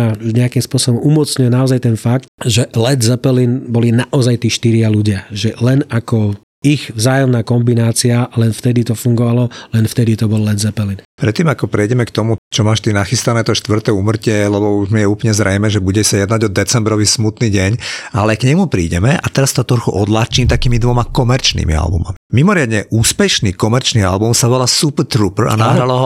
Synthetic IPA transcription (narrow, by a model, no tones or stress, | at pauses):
auɲɛakimspʊɔsɔbɔmumɔt͡sɲʊɛnaɔzajt̪ɛnfakt̪ʒɛlɛd̪zɛpɛlinbɔlinaʔɔzajt̪iːʃt̪iɾɪaluɟɪaʒɛlɛnakɔ | iɣvzaːjɔmnaːkɔmbinaːt͡sialɛnft̪ɛd̪it̪ɔfuŋɡɔʋalɔlɛnft̪ɛd̪it̪ɔbɔlːɛd̪zɛpɛlinpɾɛt̪ːiːmakɔpɾɛjɟɛmɛkt̪ɔmut͡ʃɔmaːʃt̪inaxist̪anɛːt̪ɔʃt̪ʋr̩t̪ɛːuːmr̩cɪɛlɛbɔuʒmijɛuːpl̩ɲɛzɾɛjmɛːʒɛbuɟɛʃsajɛd̪naɟɔd̪ːɛt͡sɛmbɾɔʋismut̪niːɟɛɲalɛkɲɛmupɾḭːɟɛmɛʔat̪ɛɾast̪ɔt̪ɾɔlxuʔɔd̪lat͡ʃiːmt̪akiːmid̪ʋɔmakɔmɛɾt͡ʃnḭːmḭa̰lbṵma̰mimimɔɾɪad̪ɲɛʔuːspɛʃniːkɔmɛɾt͡ʃnia̰lbumsaʋɔlasupt̪ɾupr̩a̰naɦɾalɔɦɔ